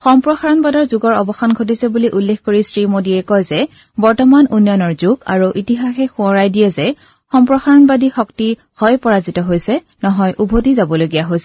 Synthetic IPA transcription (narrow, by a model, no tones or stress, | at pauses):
xɔmpɹɔxaɹɔnbadɔɹzuɡɔɹɔbɔxanɡʱot̬isɛbuliʔulːexkoɹisɹimodiɛkɔjzɛ | bɔɹtɔmanunjɔnɔɹzuɡa̰ɹuʔitiɦaxɛxuɔɹajdijɛzɛ | xɔmpɹɔxaɹɔnbadixɔkti | hɔjpɔɹazitɔɦojsɛ | nɔɦɔjʔubʱodizabɔloɡijaɦojsɛ